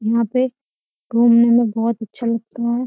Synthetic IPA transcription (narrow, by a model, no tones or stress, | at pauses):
jɐɦãpe | ɾoːmnemẽbɔːt̪ɐtːʃʰalɐɡ̚t̪aɦɛː